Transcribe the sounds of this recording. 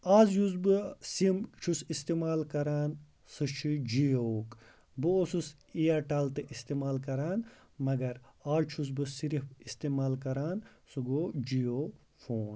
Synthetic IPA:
aːzjuzbɨsimt͡ʃʰusist̪eːmaːlkɐɾaːn | sɨt͡ʃʰid͡ʒijok | bɨosus | iaʈaːlt̪ɨʔist̪eːmaːlkɐɾaːn | mɐɡɐɾaːlt͡ʃʰus̬bɨsiɾifist̪eːmaːlkɐɾaːnsɨɡoːd͡ʒijoː | fʰoːn

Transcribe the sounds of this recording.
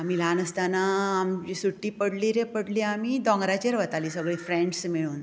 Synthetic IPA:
amilanəst̪anaːmd͡ʑisuʈːiːpəɽliɾẽpəɽliamid̪ɔ̃ŋɡɾat͡ɕəɾʋət̪aliːsəɡɭiːfɾẽɳɖsmiɭuːn

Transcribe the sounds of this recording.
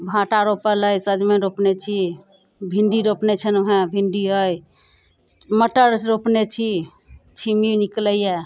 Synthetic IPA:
bʱãʈaɾopəɾləjsəd͡ʒmeɾopnet͡ʃʰi | bʱiɳɖiɾopnet͡ʃʰənoɦẽbʱiɳɖiɦəj | məʈəɾɾopnet͡ʃʰi | t͡ʃʰiminikləje

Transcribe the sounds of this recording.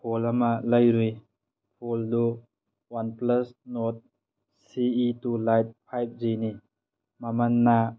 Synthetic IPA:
pʰolamalajɾij | pʰoldu | wanplɐsnɔt̪̚ | siitulajt̪̚pʰajp̚zini | mamanːa

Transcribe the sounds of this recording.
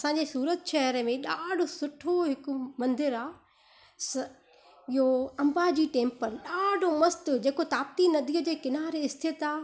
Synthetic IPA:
ɐsãːɲd͡ʑesuːɾət̪ʃɛɦɾəmẽɗaːɖʱosʊʈʰoɦɪkʊ̆mɐ̃nd̪ɪɾaː | sɐ | ɪɦoɐ̃mbaːd͡ʑiːʈẽːmpəɾɗaːɖʱomɐst̪ʊd͡ʑeːkot̪aːp̚t̪inɐd̪iːəd͡ʑeːkɪnaːɾeɪst̪et̪aː

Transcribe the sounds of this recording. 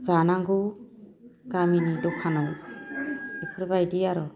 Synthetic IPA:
d͡ʒanaŋɡu | ɡaminidɔkʰːanɔw | dɔpʰɾebajdiaɾɔ

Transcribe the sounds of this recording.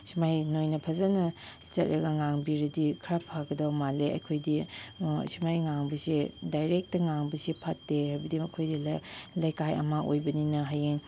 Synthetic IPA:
simajnojnɐpʰɐzanɐ | t͡ʃɐt̚ɾɐɡɐŋaŋbiɾɐdikʰɾapʰaɡɐdawmaleɐ̰jkʰojdi | simajŋaŋbɐsidajɾek̚tɐŋaŋbɐsipʰɐtːehajbɐdimɐkʰojdillajkajɐ̰maʔo̰jbɐninɐɦajeŋ

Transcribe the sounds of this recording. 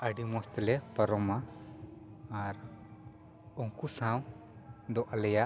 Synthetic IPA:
əɖimɔst̪lɛpəɾɔma | ɾ | ɔŋkusãw | d̪ɔʔalɛja

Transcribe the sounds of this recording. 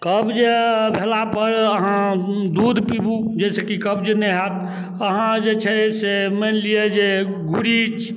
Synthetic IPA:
kəbd͡ʒbʱelapəɾəɦãd̪ud̪pibud͡ʒɛsekikəbd͡ʒnɛɦat̪ | əɦãd͡ʒet͡ʃʰɛsemenlied͡ʒe | ɡʱuɾit͡ʃʰ

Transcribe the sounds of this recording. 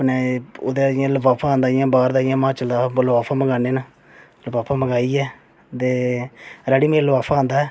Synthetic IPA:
pneːod̪eːɪjãːləbaːpʰaːãːnd̪aːɪjãːbaːɾd̪aːɪjãːmãːt͡ʃəld̪aːlaːpʰaːməɡaːneːnãː | ləbaːpʰaːməɡaːiːɛː | t̪eːɾɛːɽiːmẽːlbaːpʰaːãːnd̪aːɛː

